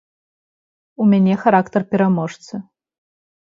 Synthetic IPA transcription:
umʲanʲɛxaɾakt̪ɐrpʲɛɾamɔʂt̪sɨ

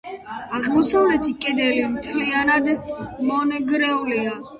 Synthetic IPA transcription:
aʁmɔsavlɛt̪ʰikʼɛd̪ɛlimt̪ʰlianad̪mɔnɛɡɾɛulia

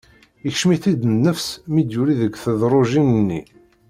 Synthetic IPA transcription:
əçʃmiθid̪nːəfsmid̪juɾiðəɡʷθəðɾˤʊʒimənːi

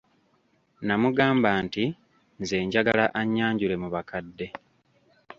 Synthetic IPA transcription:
namuɡaːmbaːnti | nze̞ːɲɟaɡalaʔaɲːaːɲɟule̞muβakadːe̞

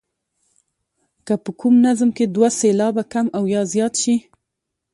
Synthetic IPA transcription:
kəpəkʰumnazmked̪waselɑbakamawjɑzjɑt̪ʃi

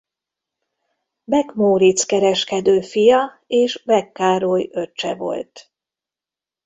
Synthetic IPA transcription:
bɛkmoːɾit̪skɛɾɛʃkɛd̪øːfijɒ | eːʃbɛkːaːɾojø̞t͡ʃːɛ̰vo̞̰lt̪

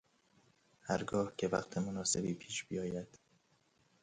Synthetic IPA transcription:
hæɾɡɒːhkcʰe̞væ̰qt̪ʰemonɒːse̞biːpʰiːʃb̥ijɒːjæd̪̥

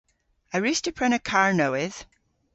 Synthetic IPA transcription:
əɹistəpʰɹɛnəkʰaɹnowɪð̥

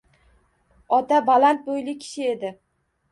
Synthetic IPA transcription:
ɒt̪abalant̪̚bojlɪkʲʰɪ̥ʃɪe̞d̪ɪ

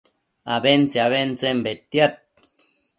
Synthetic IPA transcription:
aβent͡seaβent͡sembet̪iat̪̚

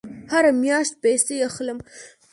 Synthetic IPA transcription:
haɾamjɑʃt̪̚pajseaxləm

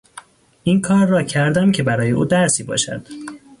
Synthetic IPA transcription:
ʔinkʰɒːɾːɒːcʰæɾd̪æmcʰe̞bæɾɒːjeʔuːd̪æɾsiːbɒ̰ːʃæ̰d̪̥

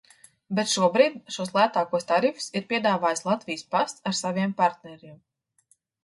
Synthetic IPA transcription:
bɛt̪ʃuɔbɾiːd̪ʃuɔslˠæt̪aːkuɔst̪aɾifu̥siɾpʲiɛd̪aːvaːjslˠat̪vʲijspast̪aɾsaviɛmpaɾt̪nɛɾim

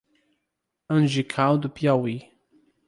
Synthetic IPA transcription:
ə̃nʒikʰawd̪upjawi

